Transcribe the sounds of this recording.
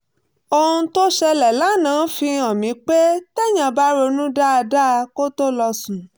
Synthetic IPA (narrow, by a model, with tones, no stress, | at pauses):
o˧hũ˧to˦ʃɛ˧lɛ˨la˨˦˨nãː˨˦fĩ˧ɔ̃˨mĩ˨˦k͡pe˦tɛ˦˨j̃ã˨ba˦ɾo˧nũ˦da˦a˧da˦˧ko˦to˦lɔ˧sũ˨